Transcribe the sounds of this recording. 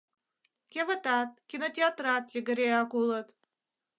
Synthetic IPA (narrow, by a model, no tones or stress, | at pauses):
kʲeβət̪ɑt̪̚kʲinot̪ʲeɑt̪rɑt̪jəɡə̆ɾeɑkulət̪